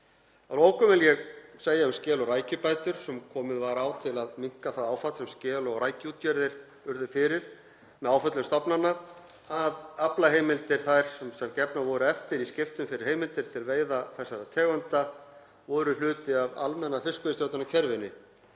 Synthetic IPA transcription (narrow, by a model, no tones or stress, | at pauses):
aðɾoːwkʏmɛljɛɣseːjaʏmscɛːlɔraːjcʏpaːjt̪ʏɾ̥sɛmkʰɔːmɪðvaɾaːwt̪ʰɪlaðmiŋ̥kaθaðaːwfat̪sɛmscɛːlɔɣrajcɪuːt̪jɛɾðɪɾ̥ | ʏɾðʏfɪɾɪɾ̥ | mɛðaːwfœt̪lɪmst̪apnanːa | aðaplaɦejmɪlt̪ɪɾ̥θajɾ̥sɛmsɛmcɛpnavɔɾʏɛft̪ɪɾiscɪft̪ʏmfɪɾɪɾheːjmɪlt̪ɪɾ̥t̪ʰɪlveːjðaθɛsːaɾat̪ʰɛːɣant̪a | vɔɾʏl̥ʏːt̪ɪava̰lmɛnːafɪskʏɪst̪jowt̪anacʰɛɾvɪnːɪ